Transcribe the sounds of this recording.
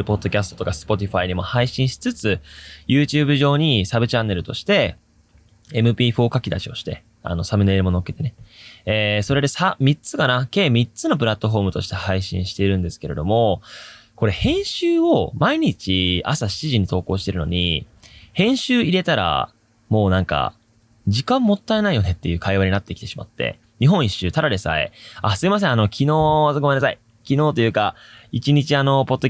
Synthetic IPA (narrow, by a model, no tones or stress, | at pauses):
ɾɯ̟po̞d̪ːo̞kʲasɨ̥t̪o̥t̪o̞kasɨ̥po̞t̪ʲiɸaiɲ̟imo̞haiɕĩɰ̃ɕi̥t͡sɨt͡sɨjɯ̟ːt͡ɕɨːbɯ̟ʑo̞ːɲ̟isabɯ̟t͡ɕãnːe̞ɾɯ̟t̪o̞ɕi̥t̪e̞ | mɯ̟pʲiːɸo̞ːkakʲid̪a̰ɕio̞ɕi̥t̪e̞̰ | a̰no̞samɯ̟ne̞ɾɯ̟mo̞no̞ke̥t̪e̞ne̞eːso̞ɾe̞d̪e̞samʲit͡sɨkanake̞ːmʲit͡sɨno̞p̬ɯ̟ɾat̪ːo̞ɸo̞ːmɯ̟t̪o̞ɕi̥t̪e̞haiɕḭ̃ɰ̃ɕi̥t̪e̞iɾɯ̟̃nd̪e̞sɨ̥ke̞ɾe̞d̪o̞mo̞ko̞ɾe̞hẽ̞ɰ̃ɕɨːo̞maiɲ̟it͡ɕia̰saɕi̥t͡ɕiʑiɲ̟it̪o̞ːko̞ːɕi̥t̪e̞ɾɯ̟no̞̰ɲ̟ihẽ̞ɰ̃ɕɨːiɾe̞t̪aɾa̰ | mo̞ːnãŋka̰ | d͡ʑikãmːo̞t̪ːaenaijo̞ne̞t̪ːe̞jɯ̟ːkʰaiβaɲinat̪ːekʲi̥t̪e̞ɕi̥ma̰t̪ːḛ | ɲ̟iɦõiɕːɨːt̪aɾaɾesa̰ḛasɨimas̬ẽ̞ano̞kʲʰino̞ːɡomenːasai | kʲino̞ːt̪o̞jɯ̟ːkait͡ɕiɲ̟it͡ɕiano̞po̞t̪ːo